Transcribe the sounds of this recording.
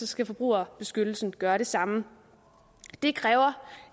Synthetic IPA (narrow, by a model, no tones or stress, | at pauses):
ɒ̽sɡ̥æfɒ̽b̥ʁṵːɐb̥e̝sɡ̥ød̥l̩sn̩ɡ̥ɶːɐɾ̥e̝sɑ̈mə | d̥e̝kʰʁɛːʊɐ